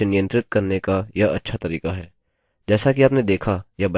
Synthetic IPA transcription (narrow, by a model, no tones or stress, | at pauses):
nɪjə̃nt̪ɾɪt̪̚kɐɾnekajaɐ̰tːʃʰat̪ɐɾiːkaɦɛː | d͡ʒɛːsakiaːpned̪eːkʰajabɐ